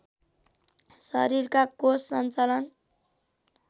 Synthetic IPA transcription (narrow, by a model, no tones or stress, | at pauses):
sʌ̰ɾirkakosːʌnt͡salʌn